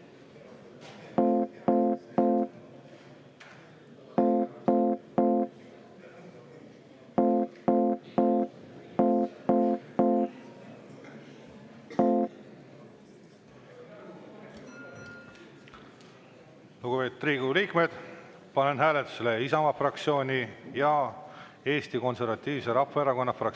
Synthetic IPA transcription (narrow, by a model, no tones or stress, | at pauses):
nuɡupe̞ːt̪ːriːɡuliːkme̞d̪̥ | pɑnenɦæːlet̪ːˑu̥seleisɑmɑfrɑk̚t̪sio̞ːnʲijɑ | e̞ːst̪iko̞nse̞rvɑt̪ʲːiːvse̞ɾɑfːɑeɾɑko̞nːɑfrɑk